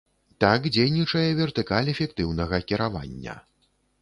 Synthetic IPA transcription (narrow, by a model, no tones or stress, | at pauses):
t̪akd͡zʲejnʲit͡ʂɐjɛvʲɛrt̪ɨkalʲɛfʲɛk̚t̪ɨwn̪ɐɣɐkʲiɾava̰nʲːɐ̰